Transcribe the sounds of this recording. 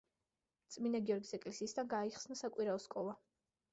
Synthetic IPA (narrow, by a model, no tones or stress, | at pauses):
t̪sʼminaɡiɔɾɡisɛkʼlɛsiːsd̪anɡaːiχsnasakʼwiɾaɔskʼɔlˠa